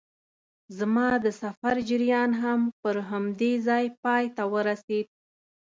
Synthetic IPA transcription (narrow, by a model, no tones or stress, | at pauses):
zmɑd̪əsafaɾd͡ʒɪɾjɑnɦampəɾɦamd̪ezɑjpɑjt̪awəɾased̪̚